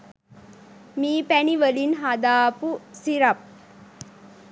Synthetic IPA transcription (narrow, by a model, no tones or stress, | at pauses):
miːpæniʋəlinɦad̪aːpusiɾɐp̚